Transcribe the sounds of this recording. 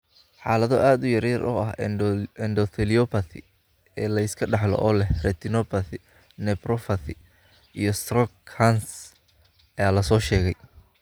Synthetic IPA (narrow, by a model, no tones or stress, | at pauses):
ħaːlɐðɔʔaːd̪ʊjɐɾɐrʔʊ̰ɐɦɛndɔθɪlɪɔpʰɐθɪ̰ | ɛːlɐɪskʰɐɖɑħlɔ̰ʔɔːlɛhrɛt̪ʰɪnɔpɐθɪ | nɛprɔfɐθɪ | ijɔst̪rɔkʰːans | ɐjaːlɐsɔːʃɛːɣɛj